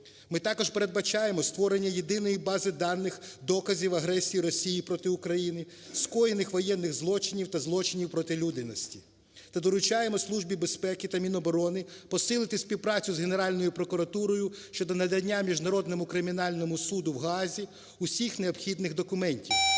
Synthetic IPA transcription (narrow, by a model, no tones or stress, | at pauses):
mɪt̪ɑkɔʒpeɾe̞d̪̚bɐt͡ʃɑjemɔst̪ʋɔɾe̞nʲːɐje̞d̪ɪnɔjibɑzɪd̪ɑnːɪxd̪ɔkɐzʲiwɐɦɾɛsʲijiɾɔsʲijipɾɔt̪ɪʊkɾɐjinɪ | skɔjɪnɪxʋɔjɛnːɪɣzlˠɔt͡ʃɪnʲiwt̪ɐzlˠɔt͡ʃɪnʲiwpɾɔt̪ɪlʲud̪ɪnɔsʲtʲi̥ | t̪ɐd̪ɔɾʊt͡ʃɑjemɔslˠuʒbʲibe̞spɛkɪt̪ɐmʲinɔbɔɾɔnɪpɔsɪlˠɪt̪ɪsʲpʲiwpɾɑt͡sʲʊzɦene̞ɾɑlʲnɔjʊpɾɔkʊɾɐt̪uɾɔjʊʃt͡ʃɔd̪ɔnɐd̪ɐdʲnʲːamʲiʒnɐɾɔd̪nɔmʊkɾɪmʲinɑlʲnɔmʊsud̪ʊwɦɑzʲi | ʊsʲixneɔbxʲid̪nɪxd̪ɔkʊmɛnʲtʲiw